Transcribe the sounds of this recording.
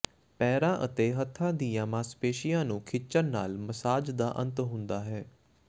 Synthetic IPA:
pɛːɾãːʔət̪eːɦət̪ʰːãːd̪iːjãːmãːspeːʃijãːnũːkʰɪt͡ʃənːa̰ːlməsaːd͡ʒd̪a̰ːʔə̰̃nt̪ɦʊ̃nd̪aːɦɛː

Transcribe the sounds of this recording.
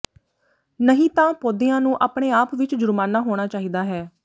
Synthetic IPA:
nəɦĩːt̪ãːpoːd̪eːãːnũːʔaːpɽeːaːpʋɪt͡ʃd͡ʒʊɾmaːnaːɦoːɽ̃aːt͡ʃaːɦiːd̪aːɦɛː

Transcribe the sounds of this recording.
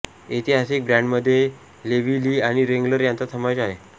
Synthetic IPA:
it̪iɦasik̚bɾãɳɖməd̪ʱːje | leʋiliːaɽ̃iɾeŋɡləɾjant͡sat̪ʰəmajt͡ɕaɦe

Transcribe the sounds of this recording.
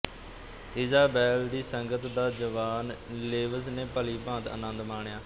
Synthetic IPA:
ɪzaːbɛːld̪iːsəŋɡət̪d̪aːd͡ʒəʋaːnleːʋəsnẽːpəliːbãːd̪ə̰nə̃nd̪maːɳjaː

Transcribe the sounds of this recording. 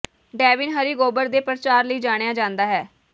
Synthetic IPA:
ɖɛːʋɪnɦəɾiːɡoːbəɾd̪eːpɾət͡ʃaːɾləiːd͡ʒaːɽ̃ejaːd͡ʒãːnd̪aːɦɛː

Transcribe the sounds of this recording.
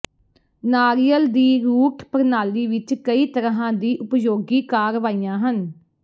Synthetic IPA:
naːɾijəld̪iːɾuːʈpəɾnaːliːʋɪt͡ʃkəiːt̪əɾɦãːd̪iːʔʊpjoːɡiːkaːɾʋaːijãːɦən

